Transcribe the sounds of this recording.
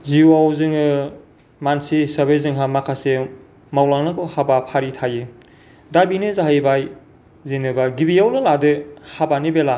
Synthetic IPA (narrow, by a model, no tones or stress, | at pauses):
ziuawzɯŋɯ | mansisɐbezɯŋɦamakʰase | mawlaŋnakɯhabapʰaɾitʰaji | dabinɯzaɦajbaj | zenɯbaɡibijawnɯladɯhabanibela